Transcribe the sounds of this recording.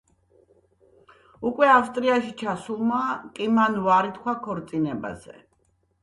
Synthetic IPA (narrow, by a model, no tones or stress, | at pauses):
ukʼwɛafst̪ʼɾiaʃit͡ʃʰasulˠmakʼimanvaɾit̪ʰkʰwakʰɔɾt̪sʼinɛba̰zɛ̰